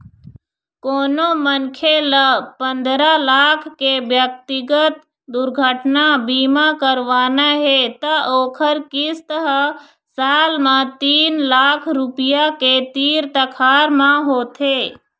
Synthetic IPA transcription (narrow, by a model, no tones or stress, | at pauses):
koːnomənkʰeləpə̃nd̪ɾalaːkʰkebjək̚t̪ɪɡət̪̚ | d̪ʊɾɡʱəʈnabiːmakəɾʋaːnaɦet̪əʔoːkʰəɾkɪst̪əɦ | saːlmãt̪iːnlaːkʰɾʊpɪjaket̪iːɾt̪əkʰaːɾmãɦoːt̪ʰeː